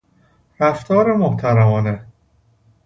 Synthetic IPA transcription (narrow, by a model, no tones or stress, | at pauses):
ɾæft̪ʰɒːɾemoht̪ʰæɾæmɒːne